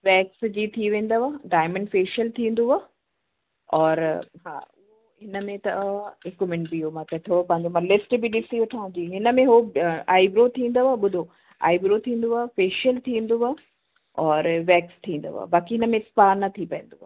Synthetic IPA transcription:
ʋɛːksd͡ʑit̪ʰiʋẽːnd̪oʋaːɖaːɪmə̃ɳɖfeːʃiəlt̪ʰĩːn̆d̪uaː | ɔːɾɦa̰ːʊɦo | ɦɪnəmẽt̪ɐɦɪkʊmɪ̃ɳbiomãkɐt̪ʰoopɐ̃ɦɪ̃ɲd͡ʑomɐ̃lɪsʈbiɗɪsiʋɐʈʰaːũd͡ʑiːɦɪnə̆mẽɦoaːɪbɾot̪ʰĩːn̆d̪oaːɓʊd̪ʱo | a̰ːɪbɾot̪ʰĩːn̆d̪oaːfeːʃiəlt̪ʰĩːnd̪oaː | ɔːɾʋɛːkst̪ʰĩːnd̪o̰a̰ːbaːkiɦɪnəmẽspaːnɐt̪ʰipɐɦɪ̃n̆d̪oaː

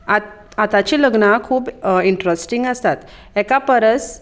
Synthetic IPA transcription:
a | at̪at͡ɕiləɡnakʰuːbiɳʈɾəsʈiŋɡəst̪at̪ | ɛkapəɾəs

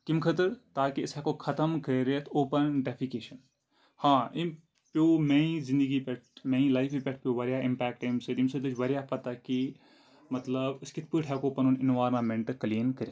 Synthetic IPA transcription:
kimkʰɐt̪əɾt̪aːkiɪsɛkokʰɐt̪əmkɐɾət̪ʰoːpɐnɖepʰikeːʃɐn | hãːim | pjoːmeːĩzɪ̃nd̪əɡipɛʈ̚ʰmẽːĩlajfʰipʲɛʈʰpjoːʋɐɾjaɪmpɛːk̚ʈːɐjmsed̪imsed̪ɨt͡ʃʋɐɾjapɐt̪aki | mɐt̪ləbɪskit̪̚ʰpɨʈʰɛkoːpɐnunɪnʋaːɾnamẽɳʈkliːnkɐɾe

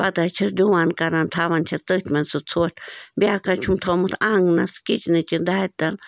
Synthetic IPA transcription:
pad̪at͡ʃʰaɾd̪ʲuwankaɾant̪ʰaβant͡ʃʰat͡s̪ɨt̪ʲmensut͡sʰut̪bjakat͡ʃʰumt̪ʰomɨt̪aŋɡnaskit͡ʃnit͡ʃind̪at̪al

